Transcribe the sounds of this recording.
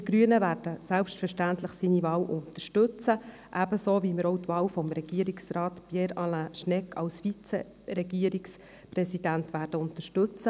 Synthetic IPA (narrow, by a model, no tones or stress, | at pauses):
d̥̪iɡɾyənəvæːɾd̥əsælpʃtfəʃtæntləχsiːnivɑːwʔʊntəʃtɵt͡sə | ʔæb̥əsoːviməɾɔwtʋɑːwfɔmɾɛɡ̥iːəɾiksrɑːtpjɛɾɑlaʃnɛkʰːɑ̰wsfit͡sḛ | ɾɛɡiəɾiks | prɛsid̥æntʋæːɾd̥əʊnt̪əʃtɵt͡sə